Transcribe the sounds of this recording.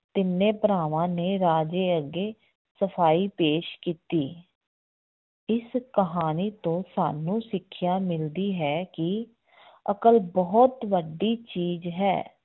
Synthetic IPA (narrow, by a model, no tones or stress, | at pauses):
t̪ɪnːẽːpəɾaːʋãːneːɾaːd͡ʒeːəɡːeː | səpʰaːiːpeːʃkiːt̪iː | ɪskəɦaːniːt̪õːsa̰ːnũːsɪkʰːɪjaːmɪld̪iːɦɛːkɪ | əkəlbɔɦt̪ʋəɖiːt͡ʃiːzɦɛ̰ː